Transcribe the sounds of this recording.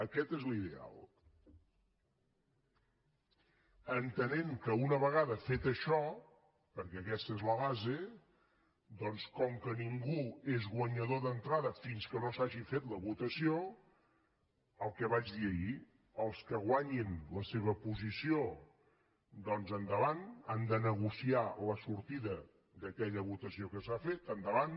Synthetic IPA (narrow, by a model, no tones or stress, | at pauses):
əkɛt̪ezliðea̰lˠ | ənt̪əneŋkəunəβəɣ̞aðəfet̪əʃɔ | pəɾkɛəkɛst̪əezləβaze | d̪ɔnskɔŋkəniŋɡuezɣwəɲəðoðənt̪ɾaðəfinskənosaʒifet̪ləβut̪əsio | əlˠkɛβad͡ʒðiəi | əlˠskəɣwaɲinləseβ̞əpuzisio | d̪ɔnzənd̪əβanand̪ənəɣ̞usialəsuɾt̪iðə | d̪əkɛʎəβut̪əsiokəsafet̪ənd̪əβan